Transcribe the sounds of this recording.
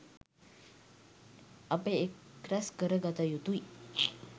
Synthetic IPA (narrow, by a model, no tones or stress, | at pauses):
ɐpeekːɾæskəɾəɡat̪əjut̪ui